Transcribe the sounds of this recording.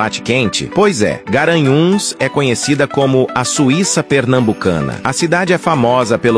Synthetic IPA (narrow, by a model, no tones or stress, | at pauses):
at͡ʃɪ̥kẽnt͡ʃɪ̰pojzɛ̰ɡaɾɐ̃ɲũsɛkõɲesid̪ɐkõmʊʔɐsuisɐpeɾnɐ̃mbukɐ̰̃nɐ̰ɐsid̪ad͡ʒɪɛfamɔzɐpel